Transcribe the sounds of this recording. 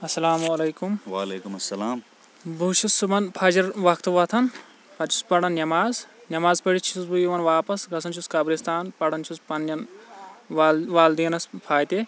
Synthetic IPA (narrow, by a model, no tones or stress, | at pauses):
ɐsːɐlaːmuɐleːkumʋa̰ːleːkumɐsːɐlaːm | bʱuʃusubɐnpʰɐd͡ʒɐɾʋɐkʰt̪uʋɐt̪ʰɐn | pʰɐt͡ʃʰu̥spɐɽɐnnʲɐmaːznʲɐmaːzpɐɽit͡ʃʰusbujiʋɐnʋaːpɐsɡɐsɐnt͡ʃʰuskɐbɾist̪aːnpɐɽɐnt͡ʃʰuspɐnːɐn | ʋaːld̪iːnɐspʰaːjt̪e